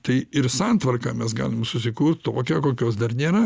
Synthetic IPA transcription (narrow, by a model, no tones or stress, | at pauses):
t̪ɐɪɪrsɑnt̪ʋɐrkɑːmʲɛsɡɑ̰ːlʲɪmsʊsʲɪkuːrt̪t̪oːkʲɛːkoːkʲoːs̬d̪ɐrnʲeːɾɐ